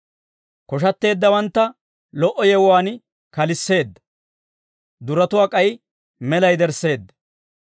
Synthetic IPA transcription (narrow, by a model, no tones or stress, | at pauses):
kɔʃ̬ɐt̪ːe̞ːd̪ːɐwɐnt̪ːɐ | lɔʔɔjɛwwaːn | kɐlɪsːe̞ːd̪ːɐ̥ | d̪ʊɾɐt̪ʊwaːkʼɐj | mɛlɐjd̪ɛɾse̞ːd̪ːɐ̥